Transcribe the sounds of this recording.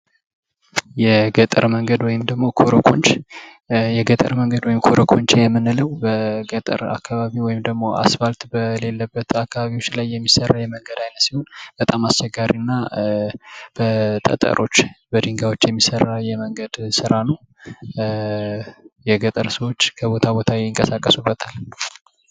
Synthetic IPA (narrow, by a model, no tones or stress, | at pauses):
jɛɡət̪ʼə̰ɾməŋɡəd̪wɔjɪmd̪əɡmo̞kʰoɾokʰo̞̰nt͡ʃ | jɛɡət̪ʼə̰ɾməŋɡəd̪wɔjɪmkʰoɾokʰo̞ɲt͡ʃejɛmːɨnɨləwbəɡət̪ʼə̰ɾa̰kʰːaβaβiwɔjɪmd̪əɡmo̞ʔa̰sbalt̪bəle̞lːəbːət̪akʰːaβaβiwo̞t͡ʃːlajːɛmːisərːajɛməŋɡəd̪ajnət̪siho̞nb̥ət̪ʼamast͡ʃːɛɡaɾinːa | b̥ət̪ʼə̰t̪ʼə̰ɾʔo̞t͡ʃːbəd̪ɨŋɡawot͡ʃːjɛmːisərːajɛməŋɡəd̪sɨɾanəw | jɛɡət̪ʼəɾsəwo̞t͡ʃːkʰəβo̞t̪ʰabo̞t̪ʰajeɪŋkʼəsakʼːəsubːət̪ʰal